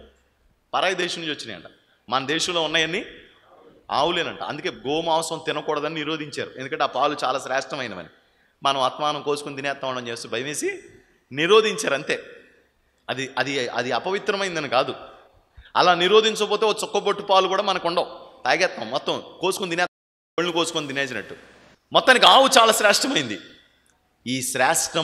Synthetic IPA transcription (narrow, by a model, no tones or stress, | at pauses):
pɐɾaːjɐd̪ɛːʃɐnut͡ʃot͡ʃːiniɐ̰ɳʈa̰ː | mɐnɐd̪ɛːʃɐmlo̞ːunːaːjɐnːi | a̰ːwuleːnɐɳʈa̰ːɐ̰nd̪uke̞ːɡoːmaːʋɐsɾɐmt̪ɪnɐkuːɽɐd̪ɐnːiniɾoːd̪ʱiɲt͡ʃa̰ːɾuʔend̪ukɐɳʈeaːpaːlut͡ʃaːlaːsɾaːʂʈɾɐmɐjnɐ̰mɐ̰ni | mɐnɐ̃mɐt̪maːnɐmkoːsu̥kund̪injaːt̪mɐʋɐɳɖɐmt͡ʃe̞ːst̪oːbʱɐjɐme̞ːsi | niɾo̞ːd̪ʱiɲt͡ʃaːɾɐɳt̪e̞ː | ɐd̪iʔɐd̪iɐ̰d̪iɐpɐʋit̪ɾɐmɐjind̪ɐnikaːd̪u | ɐ̰laːniɾoːd̪ʱiɲt͡ʃɐkpoːt̪eokɐt͡ʃɔkːɐpoʈːupaːlukuːɽaːmɐnɐkuɳɖoːt̪aːjɡɛːt̪̚mɐmːɔt̪ːɐ̃mko̞ːsu̥kond̪inɛːt̪̚ɐ | oɭnikoːsu̥kond̪ineːsinɐ̰ʈːu | mɔt̪ːaːnik̬ʲaːwut͡ʃaːlaːsɾaːʂʈɐmɐjind̪i | iːʃɾaːʂʈɐ